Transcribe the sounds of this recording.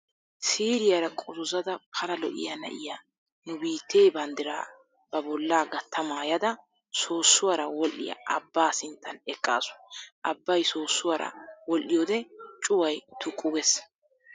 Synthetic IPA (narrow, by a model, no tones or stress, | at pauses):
siːɾɪjɐɾɐkʼɔzʊzɐd̪ɐpʰɐlɐlɔ̰ʔɪ̰jɐnɐ̰ʔɪja | nʊbiːt̪ːeːbɐnd̪ɪɾaː | b̥ɐbɔlːaːɡɐt̪ʰːɐmaːjɐd̪ɐ | soːsːʊwɐɾɐwɔlʔːɪ̰jɐ̰ʔɐbːaːsɪnt̪ːɐnɛkʼːa̰ːsʊ̥ʔɐbːɐjso̞ːsːʊwɐɾɐ̰wɔlʔːɪjɔːd̪ɛt͡ʃʼʊwɐjt̪ʰʊkʼːʊɡɛs